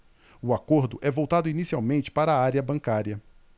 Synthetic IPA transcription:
ʊakoɾd̪ʊʔɛvowt̪ad̪ʊinisiawmẽnt͡ʃɪ̥paɾɐaaɾiɐbɐ̃ŋkaɾiɐ

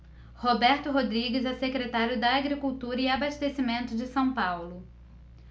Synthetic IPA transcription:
hobɛɾt̪ʊɦod̪ɾiɡɪzɛsekɾet̪aɾjʊd̪ɐːɡɾikuwt̪uɾɐɪabaʃt̪esimẽnt̪ʊd͡ʒɪsɐ̃w̃pawlʊ

